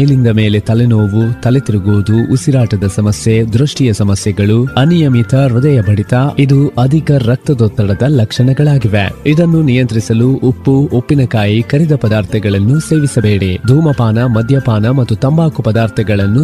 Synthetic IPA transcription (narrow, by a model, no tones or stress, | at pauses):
lind̪ɐmeːle̞t̪ɐlenoːʋut̪ɐlet̪iɾiɡoːd̪uʔːsiɾaːʈɐd̪ɐsɐmɐsjed̪ɾuʂʈijɐsɐmɐsjɛɡɐɭuɐnijɐmit̪ɐɾud̪ɐjɐbʱɐɽit̪ɐid̪uʔɐd̪ʱikɐɾɐk̚t̪ɐd̪ɔːt̪ːɐɽɐd̪ɐlɐkʂɐɳɐɡɐɭaːɡiʋeid̪ɐnːunijɐnt̪ɾisɐluʔopːuopːinɐkaːjikɐɾid̪ɐpɐd̪aːɾt̪ʰɐɡɐɭɐnːuse̞ːʋisɐbeːɽed̪ʱuːmɐpaːnɐmɐd̪ʱjɐpaːnɐmɐt̪ːut̪ɐmbaːkupɐd̪aːɾt̪ʰɐɡɐɭɐnːu